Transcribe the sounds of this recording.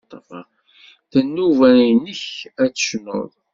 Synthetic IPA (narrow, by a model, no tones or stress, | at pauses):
t̪ˤːɑfɑ | θənːuvænnəçæt͡sːə̥ʃno̰ðˤ